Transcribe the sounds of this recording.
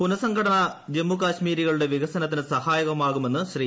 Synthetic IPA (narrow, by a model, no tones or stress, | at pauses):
punɐsɐŋɡʰʱɐɽɐɳɐd͡ʑemːukaːɕmiːɾiɣɐɭuɽe̞ʋiɣɐsɐnɐt̪̬ːinɨsɐhaːjɐɣɐmaːɣume̞nːɨɕɾiː